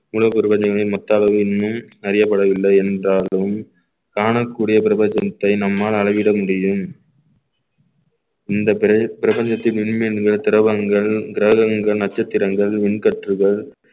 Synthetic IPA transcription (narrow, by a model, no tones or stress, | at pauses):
mulɐpːɪɾɪbɐɲd͡ʒɐŋɐɭɪnmɔt̪ːaːɭɐʋɯɪnːɯm | ɐɾɪjɐpːɐɽɐʋɪlːɐɪɛndraːlɯm | kaːɳɐkːuːɽɪjɐpɪɾɐbɐɲd͡ʒɐt̪ːɐɪnɐmːaːlɐɻɐʋɪɽɐmʊɽɪjɯm | ɪnd̪ɐppɪɾɐbɐɲd͡ʒɐt̪ːɪnʋɪɳmɪnɡɐɭt̪ɪɾɐʋɐŋɡɐɭɡɪɾɐɣɐŋɡɐɭnɐt͡ʃːɐt̪ːɪɾɐŋɡɐɭʋɪɳkɐʈrɯɣɐɭ